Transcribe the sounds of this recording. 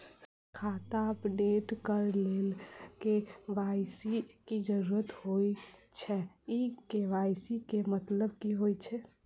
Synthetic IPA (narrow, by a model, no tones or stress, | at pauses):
kʰat̪aəpɖeʈkəɾlelkeʋajsikid͡ʒəɾuɾət̪hojt͡ʃʰɛ | ikeʋajsikemət̪ləbkiɦojt͡ʃʰɛ